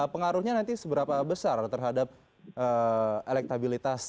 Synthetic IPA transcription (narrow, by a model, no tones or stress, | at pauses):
pəŋaɾuhɲanant̪isəbəɾapabəsart̪ərɦadap̚ | ʔəelɛk̚t̪abilit̪as